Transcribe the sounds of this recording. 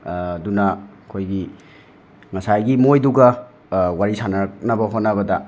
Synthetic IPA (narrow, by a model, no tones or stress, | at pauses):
dunakʰojɡi | ŋɐsajɡimojduɡɐ | waɾisanɐɾk̚nɐbɐɦotnɐβɐdɐ